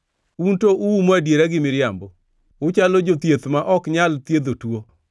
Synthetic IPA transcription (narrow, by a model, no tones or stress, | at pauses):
untoʔuwumoadjeɾaɡɪmɪɾɪjambɔ | ʊt͡ʃalod͡ʒot̪jet̪maʔɔkɲalt̪jed̪otwo